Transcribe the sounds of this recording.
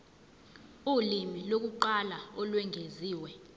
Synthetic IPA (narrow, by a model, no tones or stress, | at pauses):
ulimilok̬uǃalaɔlwɛŋʱeziːwɛ